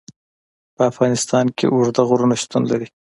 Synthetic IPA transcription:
pəafʁɑnɪst̪ɑnkḛʔʊɾd̪aɣʊɾunaʃt̪unlaɾi

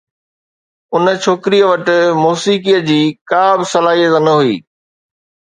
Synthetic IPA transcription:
ʊnə̆t͡ɕʰoːkɪɾijəʋɐʈɪ̆muːsiːkijəd͡ʑiːkaːbsɐlaːɦijət̪ənəɦuḭː

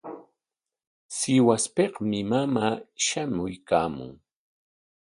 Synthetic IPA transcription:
sɪwaspeqmɪmamaːʃamʊjkaːmʊ̰ŋ

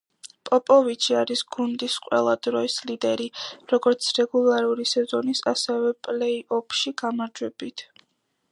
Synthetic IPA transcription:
pʼɔpʼɔvit͡ʃʰiaɾisɡ̥und̪isqʼwɛ̰lˠad̪ɾɔislid̪ɛɾiɾɔɡɔɾt̪sʰɾɛɡulˠaɾuɾisɛzɔnisasɛvɛpʼlɛiʔɔpʰʃiɡ̥amaɾd͡ʒwɛbit̪ʰ

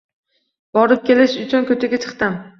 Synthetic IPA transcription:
bɒɾɪp̚kʲʰe̞lɪʃʊt͡ʃʰʊnkʰɵt͡ʃ̪ʰaɡʲat͡ʃʰɨ̥qt̪am

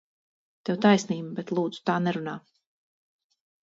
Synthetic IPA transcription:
t̪ɛwt̪ajsniːmbɛt̪lˠuːd̪z̥u̥t̪aːnɛɾunaː

